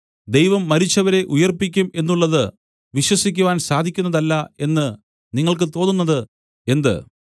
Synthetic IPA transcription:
d̪ejʋɐmːɐɾit͡ɕːɐʋɐɾe̞ʔujɐrpikʲːume̞nːuɭːɐðɨ | ʋiɕwɐsikʲːuʋaːnsaːd̪ʱikʲːunːɐðɐlːɐe̞nːɨ | niŋːɐɭkɨt̪o̞ːnːunːɐðɨ | e̞nd̪ɨ̰

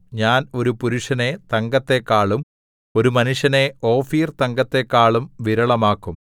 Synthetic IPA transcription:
ɲaːno̞ɾupuɾuʂɐne̞t̪ɐŋɡɐt̪ːe̞kːaːɭum | o̞ɾumɐnuʂjɐne̞o̞ːfiːrt̪ɐŋɡɐt̪ːe̞kːaːɭumʋiɾɐɭɐmaːkːum

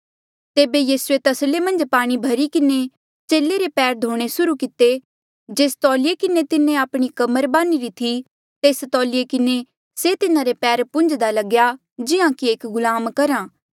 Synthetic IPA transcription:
t̪eːbejiːsuet̪ɐslemɐ̃nd͡ʒpaːɽ̃ibʱɐɾikɪne | t͡ʃeːleɾepɛːɾd̪ʱoːɽ̃esʊɾukɪt̪e | d͡ʒeːst̪ɔːliekɪnet̪ɪnẽaːpɽ̃ikɐməɾbaːniɾit̪ʰi | t̪eːst̪ɔːliekɪne | set̪ɪnãɾepɛːɾpʊ̃nd͡ʒd̪alɐɡja | d͡ʒɪãkieːkɡʊlaːmkɐɾãː

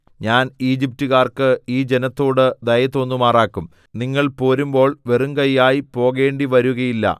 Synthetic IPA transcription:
ɲaːniːd͡ʑip̚tuɣaːrkɨiːd͡ʑe̞nɐt̪ːo̞ːɽɨd̪ɐjɐt̪o̞ːnːumaːraːkːum | niŋːɐɭpo̞ːɾumbo̞ːɭʋeruŋkɐjːaːjipo̞ːɣe̞ːɳɖiʋɐɾuɣɐjilːɐ̰

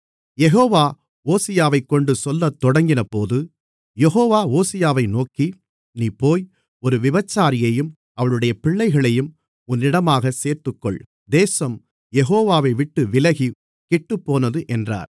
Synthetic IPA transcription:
jɛɣoːʋaː | oːsɪjaːʋɐɪkːɔɳɖɯsɔlːɐt̪ːɔɽɐŋɡɪnɐpoːðɯ | jɛɦoːʋaːoːsɪjaːʋɐɪnoːki | niːpoːj | ɔɾɯʋɪbɐt͡ʃːaːɾɪjɐjɯm | ɐʋɐɭɯɽɐjɐpɪɭːɐɪɣɐɭɐjɯm | ʊnːɪɽɐmaːɣɐseːɾt̪ɯkːɔ̰ɭ | d̪eːsɐm | jɛɣoːʋaːʋɐɪʋɪʈːɯʋɪlɐɣi | kɪʈːɯpːoːnɐðɯʔɛndra̰ːɾ

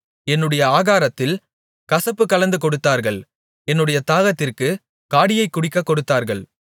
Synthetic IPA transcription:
ɛnːɯɽɐjɐaːɣaːɾɐt̪ːɪl | kɐsɐpːɯkːɐlɐnd̪ɯkɔɽɯt̪ːaːɾɣɐɭ | ɛnːɯɽɐjɐt̪aːɣɐt̪ːɪrkɯ | kaːɽɪjɐɪkːʊɽɪkːɐkːɔɽɯt̪ːaːɾɣɐɭ

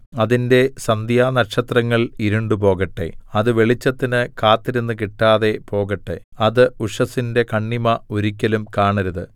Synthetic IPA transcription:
ɐðinde̞sɐnd̪jaːnɐɕɐt̪rɐŋːɐɭiɾuɳɖup̬o̞ːɣɐʈːe̞̰ɐðɨʋe̞ɭit͡ɕːɐt̪ːinɨkaːt̪ːiɾenːɨkiʈːaːðe̞po̞ːɣɐʈːḛɐðɨuʂɐsinde̞kɐɳːimɐoɾikʲːɐlumkaːɳɐɾɐðɨ

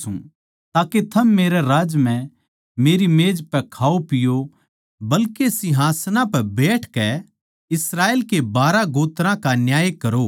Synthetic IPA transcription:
ṵ̃ | t̪aːket̪ʰɐmːeːɾɛɾaːd͡ʒmɛ̃ | meːɾimeːd͡ʒpɛkʰaːopɪjo | bɐlkesɪɦaːsnãpɛbeːʈʰkɛ | ɪsɾaːeːlkebaːɾaɡoːt̪ɾãkanjaːjkɐɾo

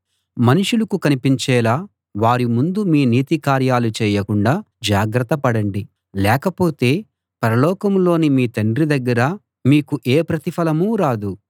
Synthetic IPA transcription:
mɐnuʂulɐkukɐnipiɲt͡ʃɛːlaː | ʋaːɾimund̪umiːniːt̪ikaːɾjaːlut͡ʃɛːjɐkuɳɖaː | d͡ʒaːɡɾɐt̪ːɐpɐɽɐɳɖi | lɛːkɐpo̞ːt̪e̞ː | pɐɾɐlɔːkɐmlo̞ːnimiːt̪ɐɳɖɾid̪ɐɡːɐɾɐ | miːkuʔeːpɾɐt̪ipʰɐlɐmuːɾaːd̪u

